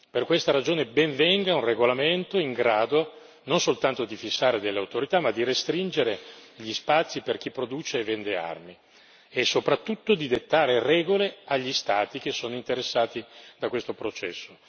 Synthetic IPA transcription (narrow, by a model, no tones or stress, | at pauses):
perkwest̪aɾad͡ʒoːnebɛɱvɛŋɡaunreɡolament̪oiŋɡɾaːd̪o | nonsolt̪ant̪od̪ifisːaːɾed̪elːeawt̪oɾit̪amad̪ːiɾest̪ɾind͡ʒeɾeʎispat̪sːiperk̟ipːɾod̪uːt͡ʃeːvɛnd̪ea̰rmi | esːopɾat̪ːut̪ːod̪id̪et̪ːaːɾerɛːɡoleaʎːist̪aːt̪ik̟esːoːnoint̪eɾesːaːt̪id̪akwest̪opɾot͡ʃɛ̰sːo